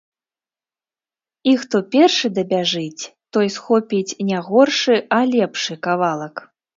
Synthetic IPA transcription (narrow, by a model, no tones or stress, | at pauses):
ixt̪ɔpʲɛrʂɨd̪ɐbʲaʐɨt͡sʲt̪ɔjsxɔpʲit͡sʲnʲaɣɔrʂɨʔɐlʲɛpʂɨkavalˠɐk